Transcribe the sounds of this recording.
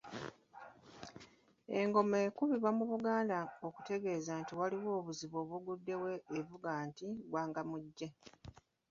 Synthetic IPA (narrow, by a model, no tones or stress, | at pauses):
eŋɡo̞me̞ːkuβiβamuβuɡaːndaoku̥te̞ɡe̞ːzaːntiwaliwo̞ːβuziβo̞ːβuɡudːe̞we̞ːvuɡaːntiɡwaːŋɡamuɟːe̞